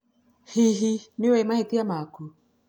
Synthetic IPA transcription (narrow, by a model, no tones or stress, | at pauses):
hiɦiniwɛmahit̪iamaku